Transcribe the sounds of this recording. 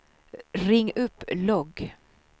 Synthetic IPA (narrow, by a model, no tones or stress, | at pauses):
ɾɪŋːɵpːlɔɡ